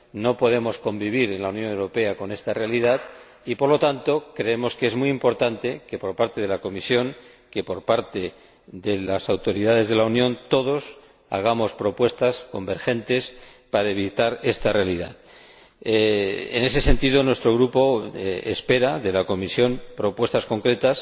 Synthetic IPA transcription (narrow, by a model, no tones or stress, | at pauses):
no̞po̞ð̞e̞mo̞sko̞mbiβ̞iɾe̞nlaunjo̞ne̞wɾo̞pe̞ako̞ne̞st̪are̞aliðað | ipo̞ɾlo̞t̪ant̪o̞kɾe̞e̞mo̞skee̞zmujimpo̞ɾt̪ant̪e̞ke̞po̞ɾpaɾt̪e̞ðe̞lako̞misjo̞ŋ | ke̞po̞ɾpaɾt̪e | ðe̞lasawt̪o̞ɾiðaðe̞zðe̞launjõ̞nt̪o̞ð̞o̞s | a̰ɣ̞amo̞spɾo̞pwe̞st̪asko̞mbe̞ɾxe̞nt̪e̞s | paɾaeβ̞it̪aɾe̞st̪are̞aliða̰ð | ḛne̞s̬e̞se̞nt̪ið̞o̞nwe̞st̪ɾo̞ɣɾupo̞ḛspe̞ɾaðe̞lako̞misjo̞mpɾo̞pwe̞st̪asko̞ŋkɾe̞t̪as